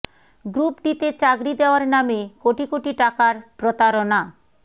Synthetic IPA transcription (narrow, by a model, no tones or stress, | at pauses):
ɡɾupɖit̪et͡ɕaɡɾid̪eoaɾnamekoʈikoʈiʈakaɾpɾot̪aɾona